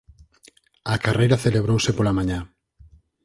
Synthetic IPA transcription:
akarejɾaθeleβ̞ɾowsepolamãɲa

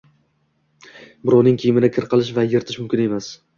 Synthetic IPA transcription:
bʊɾɒwnɪŋkʲʰijɪmɪd̪akʲʰɪɾqɨlˠɪʃ̬vajɪɾt̪ʰɪʃmʊmkʲɪne̞mas

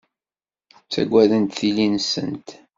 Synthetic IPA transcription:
t͡sːæ̰ɡʷːæðənt̪θilinsə̰nt̪

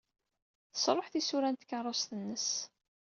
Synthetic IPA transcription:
θə̥sˤɾˤoħθisuɾænt̪kːərˤːosθənːəs

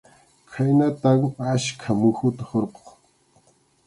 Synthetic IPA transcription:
kʰajnat̪aŋaʃkʰamʊxʊt̪ahoɾqo̥χ

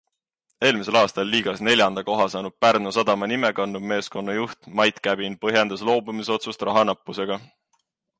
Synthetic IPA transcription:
e̞ːlmise̞lɑːst̪ɑlːiːɡ̥ɑsne̞lʲjɑnd̪̥ɑko̞ɦɑsɑːnud̪̥̚pærnusɑd̪̥ɑmɑnime̞kɑnːubme̞ːsko̞nːɑjuht̪mɑjt̪kæb̥inpɤɦjɑnd̪̥ɑslo̞ːbumiso̞t̪sust̪rɑɦɑnɑpˑːuse̞ɡ̥ɑ

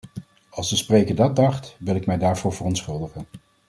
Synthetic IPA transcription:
ɑlˠzdəsprejkəɹdɑt̚dɑχtʋɪlˠɪkmɛjdaːɹvʊːɹvərɔntsχɵlˠdəχən

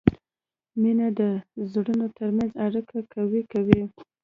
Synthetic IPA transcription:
minad̪əzɽənot̪əɾmanzaɽikakawikawi

